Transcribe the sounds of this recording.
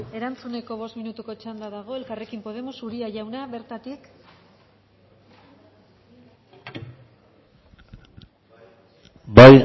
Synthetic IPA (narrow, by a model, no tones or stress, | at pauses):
e̞ɾant͡sune̞ko̞β̞o̞st̪minut̪uko̞t͡ʃand̪aðaɣ̞o̞e̞lkare̞kimpo̞ð̞e̞mo̞suɾiaʝawnaβe̞ɾt̪at̪ik | baj